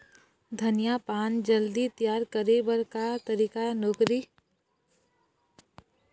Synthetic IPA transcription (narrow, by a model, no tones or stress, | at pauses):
d̪ʱənjapaːnd͡ʒəld̪it̪jaːɾkəɾebəɾkat̪əɾiːkanoːkɾi